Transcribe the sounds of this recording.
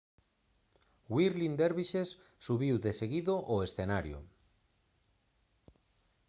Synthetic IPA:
wiɾlind̪eɾβiʃesː | uβiwðeseɣiðoʔoesθenaɾjo̰

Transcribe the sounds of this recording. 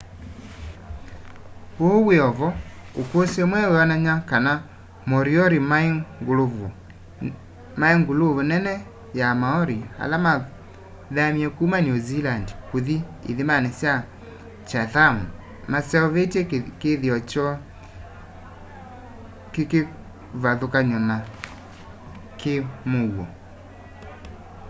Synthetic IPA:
ooweɔvɔ | okosɛmwɛweɔnaɲakana | mɔɾiɔɾimaŋɡolovo | maeŋɡolovonɛnɛ | jamaɔɾia̰lama | ðamiɛkumanjuzilandkoðiḛðemanɛsja | t͡ʃaθamu | masɛɔβetekeðiɔt͡ʃɔ | keke | βaðokaɲɔna | kemowɔ

